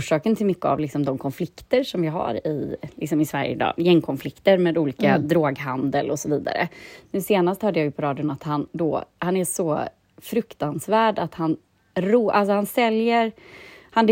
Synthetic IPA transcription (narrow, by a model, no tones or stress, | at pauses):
ʂɑːkənt̪ʰɪlmʏkːəa̰vlɪksɔmd̪ɔmkʰɔnflɪkt̪əɾʂɔmvɪɦa̰ɾɪ̰lɪksɔmɪsvæ̰ɾjə̰ɪd̪ɑ̰ːjɛŋːkʰɔnflɪkt̪əɾmeːd̪uːliːkad̪ɾoːɡɦand̪əlʔɔsɔviːd̪a̰ɾə̰nʉ̟ːseːnast̪hœːɖəjajɵpʰɔɾɑːd̪ɪʊnat̪hand̪ɔ̰hanæʂɔ | fɾɵkt̪ansvæːɖat̪han | ɾuːʔals̬ɔhansɛljəɾhand̪